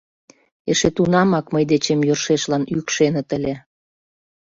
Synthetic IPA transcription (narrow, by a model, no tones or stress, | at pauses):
eʃet̪unɑmɑkməjd̪et͡ɕemjørʃeʃlɑnykʃenə̆t̪əlʲe